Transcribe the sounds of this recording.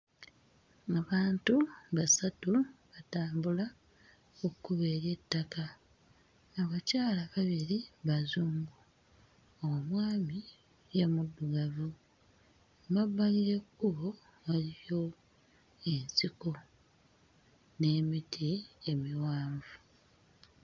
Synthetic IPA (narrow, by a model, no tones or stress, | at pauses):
aβaːntuβasatuβataːmbula | okːuβe̞ːɾje̞tːakaː | βacaːlaβaβiɾiβazuːmɡu | oumwaːmi | jemuduɡavu | βaβːaliɾe̞kːuβo̞ | βalijo̞ | e̞nsiko̞ | ne̞ːmitʰie̞miwaːɱvu